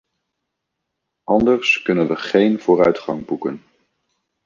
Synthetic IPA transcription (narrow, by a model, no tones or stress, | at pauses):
ʔɑndəɹskɵnənʋəχejnv̥ʊːrœɥtχɑŋbukən